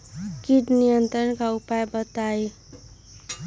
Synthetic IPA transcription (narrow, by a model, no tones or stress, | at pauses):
kiʈnijənt̪ɾənkaupajbʌt̪aj